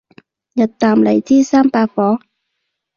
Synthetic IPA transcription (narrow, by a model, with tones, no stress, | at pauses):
jɐ˨˩t̚t̪aː˨˩mle˨˩jt͡siː˥saː˥mpaː˧k̚fɔː˨˥ŋ